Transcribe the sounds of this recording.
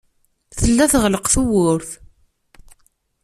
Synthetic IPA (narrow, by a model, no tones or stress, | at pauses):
θəlːæθəʁələqθuwʊɾθ